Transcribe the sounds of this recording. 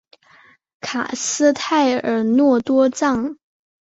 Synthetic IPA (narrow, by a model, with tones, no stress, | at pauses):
kʰa˨˩sɹ̩˥t̪ʰa˥˩ɪə˞˨˩nwɔ˥˩t̪wɔ˥ʈ͡ʂɑ˥˩ŋ